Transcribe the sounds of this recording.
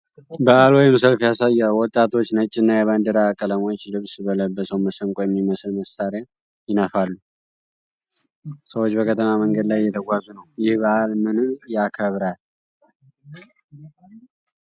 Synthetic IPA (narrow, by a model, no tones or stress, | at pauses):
bəʔalojmsəlfjasajːawwɔt̪ʼːat̪ʰo̞t͡ʃːnət͡ʃʼːɪnːajɛβand̪əɾakʼələmo̞t͡ʃːlɨβsbələbːəsəwməsəŋkʼojɛmːiməsɨlməsaɾja | jɪnəfalːu | səwot͡ʃːbəkʰət̪ʰəmaməŋɡəd̪lajɪːɛt̪ʰəɡʷazunəwjɪhbəʔalmɨnɨjakʰəβɾal